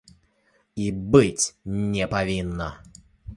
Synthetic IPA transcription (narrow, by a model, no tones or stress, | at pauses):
ibɨtʲnʲɛpɐvʲinːə